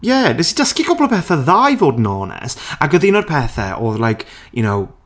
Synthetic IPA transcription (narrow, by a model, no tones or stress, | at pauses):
jɛnɛsid̥əskiɡɔblˠɔpʰɛːθɛðajvoːdnɔːnɛ̰saɡəðɪnɔd̚pʰɛːθɛ̰ʔɔðlajkʰ | junow